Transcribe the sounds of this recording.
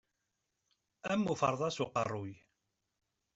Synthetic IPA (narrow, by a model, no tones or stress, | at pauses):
æmːufə̰ɾˤðˤɑsuqɑ̰rˤːʊj